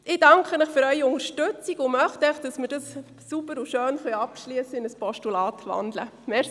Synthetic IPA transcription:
ɪd̥ɑŋkʰχənəχfʏɾœʏiʊŋəʃtøt͡siɡʊmœχtɛχd̥ɑsməɾdɑsː | ubəɾuʃøːnχœʏɑpʃliəsːəɪnəspɔʃtulɑːtʋɑ̰ndlə̰mɛ

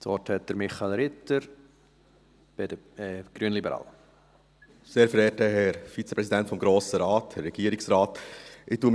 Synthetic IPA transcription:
tɔɾthɛt̚d̥əɾmɪχɑɪlɾɪtːəɾ | b̥ɛdə | ɡ̥ɾyənlibəɾɑ̰ːl | seːɾfəɾɛːtəɦɛɾfit͡sɛ̥pɾɛsidɛntfɔmɡɾoːsəɾɑːthɛɾːɛɡ̥iːəɾiksɾɑːtʔɪtuːm

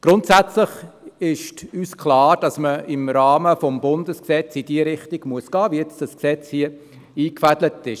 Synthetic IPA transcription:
ɡ̥ɾʊntsæt͡slɪχɪʃtyːskʰlɑːɾd̥ɑsməɪmɾɑːməfɔmbʊnd̥əsksɛt͡sid̥iəɾɪχtiɡ̥muəsɡ̥ɑːviɛt͡sd̥ɑsksɛt͡shiə | iːkfædlətɪʃ

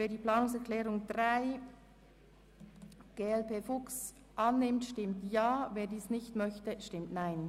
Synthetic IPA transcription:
veːɐdiːpl̥aːnʊŋsɛɐʁkʰlɛːʁʊŋd̥ʁaɪ | ɡ̥eːɛlpʰeːfʊks | ʔɑnːɪmtʃtɪmtjaːveːɐdiːsnɪçtmœçtəʃtɪmtnaɪn

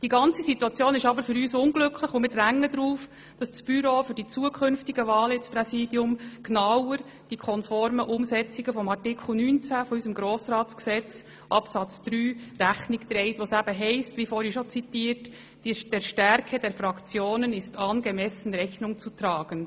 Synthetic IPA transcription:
d̥iɡɑnt͡sisituɑt͡sjoːnɪʃɑbəɾfʏɾyːsʊnɡlɵkʰlɪχʊmɪːɾdræŋːədɾuːf | d̥ɑssb̥yɾoːfʏɾdit͡suːəkʰʏnftiɡəvɑːlɪt͡spɾɛsiːdjʊmknɑwəɾ | d̥ikʰɔnfɔɾməʔʊmsɛt͡siɡəfɔmɑrtɪkʰl̩ˠnyːnt͡sæfɔysəmɡɾoːsɾɑːtsksɛt͡s | ʔɑpsɑt͡sd̥ɾyːɾæxnɪkt̪ɾɛɪtʋosæb̥əɦɛɪstʋifɔːɾiʃɔt͡sit̪iːɾt | d̥ɛɾʃtæɾkʰədɛɾfɾɑkt͡sjoːnənɪstʰɑːnɡɛmɛsən̩ɾɛxnʊŋt͡sut̪ɾɑːɡ̥ən

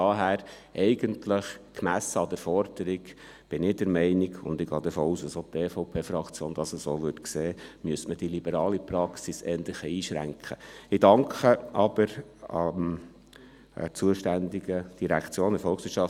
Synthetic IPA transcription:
ɑɦæːɾ | ʔɛɪɡəntʰləχkmæsəɑd̥̪əɾfɔɾd̥əɾiɡ | b̥ɪnɪd̥ɛɾmɛɪniɡʊ̰nd̪ɪɡɑːd̪əfoːuːsɑsot̪eːfɔʊpʰeːfɾɑkt͡sjoːnd̥̪ɑsəsoːʋʏtkseːmyəsməd̥ilibəɾɑːlipɾɑksisɛːnt̪lɪχəiːʃɾæ̰ŋkʰχəɪdɑŋkχəʔɑb̥əɾɑm | t͡suəʃtænd̪iɡəd̥iɾækt͡sjoːnəɾfɔlˠxsʋɪətt͡ʃʃɑf

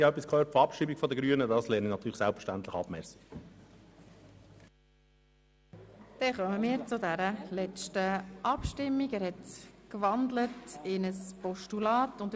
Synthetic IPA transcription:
œpːiskʰøːtfɑpʃiːbikfɔd̪əɡɾyːənədɑslɛːnənɑt̪ʰyːləsælˠpfə̥ʃtænt̪ləχɑ̰bmɛsi̥k | d̥ɛχœməmiːɾt͡sʊdæɾəlɛt͡ʃtəʔɑpʃtɪmːiɡæːɾhɛtkvɑnd̪lətɪnəspɔʃtulɑːtʊnd

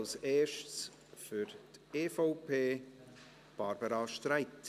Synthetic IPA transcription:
lseːʃts | fyɾteːfɔʊpʰeː | b̥ɑɾbəɾɑʃtɾaɪt

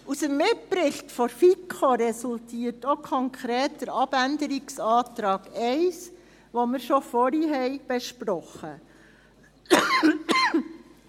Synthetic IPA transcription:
usəmːɪt̚pɾɪɬtfɔɾfikʰχoɾɛsultʰiːətokʰɔŋkʰɾɛːt̚d̥əɾɑb̥ændəɾiksɑːtɾɑːɡ̥ɛɪs | ʋomɪɾʃɔfɔɾiɦɛjb̥ɛʃpɾɔχə

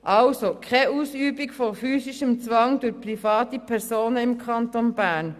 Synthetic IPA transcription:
ʔɑlsokʰɛʔuːsyːbikfofyːsiʃəmt͡sʋɑŋdʊpʁifɑːtipʰɛɾsoːnəɪmkʰɑntonb̥æːɾn

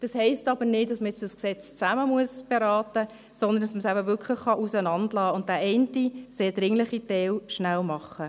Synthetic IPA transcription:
d̥ɑshɛɪstɑbənɪt̚dɑsməjɛt͡sd̥ɑsksɛt͡st͡sæməmuəsb̥eɾɑːtə | sɔnd̪ənd̥ɑsməsæbəvʏkʰχləχːɑʔusənɑndlɑːʊnt̚dæːʔɛɪntiseːd̥ɾɪŋləχitɛwʃnæwmɑχːə

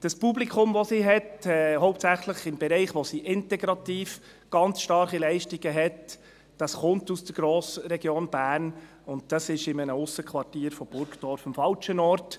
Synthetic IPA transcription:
d̥ɑspublikχʊmʋɔsiɦɛtɛːhɔʊp̚tsæχləχɪmbɛɾɛɪχʋosiʔɪntɛɡɾɑt̪iːf | ɡ̥ɑnt͡sʃtɑrχilɛɪʃtiɡ̥əɦɛt | d̥ɑsχʊntusd̥əɾɡ̥ɾoːsɾɛɡjoːnb̥æːn | ʊnt̚d̥ɑsɪʃɪmənəʊsəkʰʋɑrtiːɾfɔb̥ʊɾkd̥ɔɾfəmfɑlt͡ʃənɔːɾt

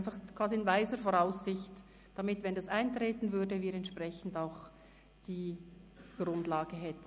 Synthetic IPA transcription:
nfaχkʰv̥aːziɪnvaɪzəfɔɾaʊsɪçt | d̥amɪtvɛndasaɪntʁeːtn̩vʏɐdəviːɾɛntʃpʁɛçn̩daʊx | d̥iːɡ̥ʁʊndlaːɡ̥əɦɛtn

